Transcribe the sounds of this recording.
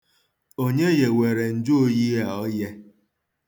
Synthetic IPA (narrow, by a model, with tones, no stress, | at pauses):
o˦ɲe˦je˨we˨ɾe˨n̩˦˨d͡ʒu˦o˦ji˦a˨ɔ˦je˦